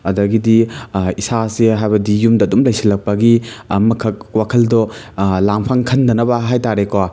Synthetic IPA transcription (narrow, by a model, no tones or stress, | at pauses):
ɐdɐɡidiisaseɦajbɐdijumdɐːdumlɐjsilɐk̚pɐɡimɐkʰɐk̚wakʰɐldɔlaŋpʰaŋkʰɐndɐnɐbɐɦajtaɾeko